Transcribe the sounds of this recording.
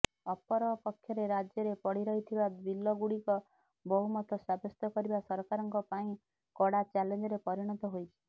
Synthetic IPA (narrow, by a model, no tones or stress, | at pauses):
ɔpɔɾɔpɔkʰːjɔɾeɾad͡ʒjɔɾepɔɽiɾɔɦit̪ʰibad̪bilːɔɡuɽikɔ | bɔɦumɔt̪ʰɔsabɔst̪ɔkɔɾibasɔɾɔkaɾɔŋkɔpaĩ | kɔɽat͡ʃalend͡ʒɔɾepɔɾiɽ̃ɔt̪ɔɦojt͡ʃʰi̥